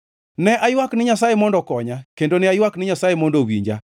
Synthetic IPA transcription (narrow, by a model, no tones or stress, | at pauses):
nɛʔajwaknɪɲasajemɔndɔkɔɲakendonɪajwaknɪɲasajemɔndowḭɲd͡ʒa̰